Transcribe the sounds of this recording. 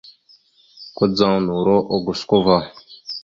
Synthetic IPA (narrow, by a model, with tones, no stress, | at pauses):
kʷə˦d͡za˦nu˨ɾo˦ʔo˨ɡu˨sko˦va˦˨